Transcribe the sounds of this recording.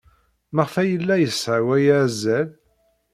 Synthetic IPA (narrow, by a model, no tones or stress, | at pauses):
maʁfæjəlːæjəsʕwæjazːæl